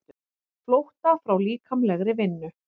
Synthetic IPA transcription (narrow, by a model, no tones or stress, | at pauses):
flowht̪afɾawliːkʰamlɛɣɾɪvɪnːʏ